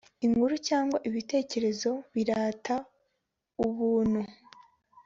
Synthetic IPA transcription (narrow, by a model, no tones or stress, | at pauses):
iŋɡuɾucaːŋɡwaʔiβite̞ːce̞ɾe̞zo̞βiɾaːta | uβuːnhu